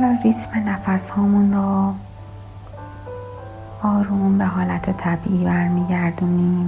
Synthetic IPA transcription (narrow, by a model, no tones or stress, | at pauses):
alɒːnrit̪ʰmenæfæshɒːmunɾɔː | ɒːɾuːmbe̞ɦɒːlæt̪ʰet̪ʰæbiːʔiːbæɾmiːɟæɾd̪uniːm